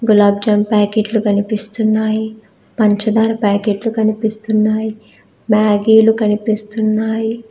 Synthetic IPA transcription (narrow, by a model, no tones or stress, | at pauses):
ɡulɐb̚d͡ʒɐmpaːkeːʈlukɐnipist̪unːaːji | pɐɲt͡ʃɐd̪aːɾɐpaːkeːʈlukɐnipist̪unːaːji | maːɡiːlukɐnipist̪unːaːji